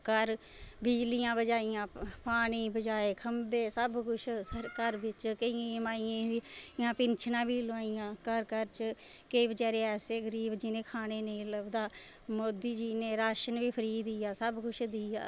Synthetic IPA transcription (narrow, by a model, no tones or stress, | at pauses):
kəɾ | bɪd͡ʒlɪjãːbəd͡ʒaːɪjãːpaːɳ̃iːbəd͡ʒaːeːkʰəmbeːsəbkʊt͡ʃʰəkəɾʋɪt͡ʃkəiãːmaːɪjãːjãːpɪnt͡ʃʰnãːbiːləʋaːijãːkəɾkəɾt͡ʃ | kəibəd͡ʒɛːɾeːɛːseːɡəɾiːbd͡ʒɪnẽːkʰaːneːneĩləbd̪aː | moːd̪iːd͡ʒiːnẽːɾaːʃənʋiːpʰəɾiːd̪iːjaːsəbkʊt͡ʃʰd̪iːaː